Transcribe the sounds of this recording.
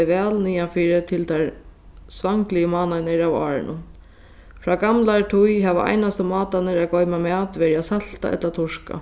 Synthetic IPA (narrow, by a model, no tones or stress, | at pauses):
ɪʋɛːlniːafiːɾɪt̪ʰɪlt̪ʰaɹ | sʋaŋklɪjəmɑːnanɪɾawa̰ːɾɪ̰nʊ̰n | fɾaːɡamlaɹt̪ʰujɦɛʋa̰ʔa̰jnast̪əmɑːt̪anɪɾaɡɔjmamɛːt̪ʋɛːɾɪasal̥t̪a̰ʔɛ̰t̪lat̪ʰʊʂka̰